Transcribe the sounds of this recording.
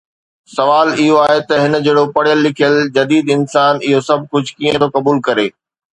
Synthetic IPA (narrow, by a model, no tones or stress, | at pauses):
sɐʋaːlɪɦoaːɦet̪ɐɦɪnd͡ʑeːɽopɐɽjəlːɪkʰijəld͡ʑɐd̪iːd̪ɪnsaːnɪɦosɐb̚ʱkʊd͡ʑʱkiːə̃t̪ʰokɐbuːlkɐɾeː